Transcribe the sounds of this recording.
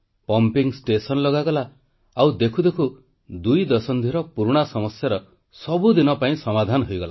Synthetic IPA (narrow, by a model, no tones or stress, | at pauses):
pɔmpiŋsʈesɔnlɔɡaɡɔla | awd̪ekʰud̪ekʰu | d̪ujd̪ɔsɔnd̪ʱiɾɔpuɾuɽ̃asɔmɔsjaɾɔ | sɔbud̪inɔpaĩsɔmad̪ʱanɔɦojɡɔla